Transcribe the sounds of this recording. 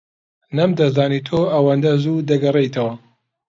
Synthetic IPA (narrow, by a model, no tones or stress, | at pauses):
nɐmd̪ɐzaːnit̪ʰoɐwɐnd̪ɐzud̪ɐɡɐrejt̪ʰɐwɐ